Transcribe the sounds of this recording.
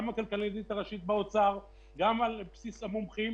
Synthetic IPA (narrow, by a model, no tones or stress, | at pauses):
amakalkalizit̪aʁaʃit̪̚beot͡saʁ | ɡamalpsisamomχim